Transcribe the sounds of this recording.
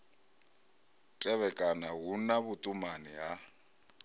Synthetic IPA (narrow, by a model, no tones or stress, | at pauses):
tʼɛβɛkʼanaɦunaβʊtʼumaniɦa